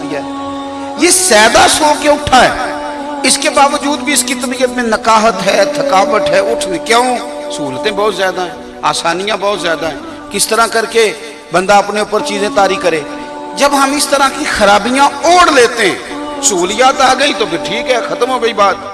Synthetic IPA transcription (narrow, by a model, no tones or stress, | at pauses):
jaɛ | jeːsɛːd̪asoːkeʊʈʰaɦɛː | ɪskebaːʋəd͡ʒuːd̪bʱiɪskit̪əbijət̪mẽnəkaːɦət̪ɦɛːt̪ʰəkaːʋət̪ɦɛːʊʈʰekjaõsuːɾt̪ẽbɔːt̪zjaːd̪aɦɛ̃ː | aːsaːnijãbɔːt̪zjaːd̪aɦɛ̃ː | kɪst̪əɾãkɐɾke | bə̃nd̪aɐpneʊpəɾt͡ʃiːzẽt̪aːɾikəɾẽː | d͡ʒəbɦɐmɪst̪əɾãkixəɾaːbijãoːɽleːt̪eɦɛ̰̃ː | soːlɪjaːt̪aːɡəit̪opʰɪɾʈʰiːkɦɛːxət̪əmɦoːɡəibaːt̪̚